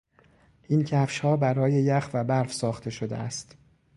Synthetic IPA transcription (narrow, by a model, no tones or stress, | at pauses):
ʔiːncʰæfʃhɒːbæɾɒːje̞jæxvæbæɾfsɒːxt̪ʰe̞ʃod̪ḛæ̰st̪